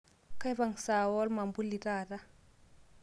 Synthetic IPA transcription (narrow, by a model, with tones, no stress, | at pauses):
ka˦jva˨ŋsa˨wɔ˦lma˨mbu˦lːi˨ta˦˨ta˦